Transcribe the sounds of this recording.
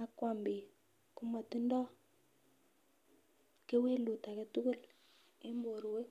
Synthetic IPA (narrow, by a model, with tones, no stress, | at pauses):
a˨kwa˨mbi˨ | ku˦ma˨ti˦ndɔ˦ | ke˦we˦lu˨ta˨kɛ˨tu˦ku˦l | e˦mbo˨ɾwe˦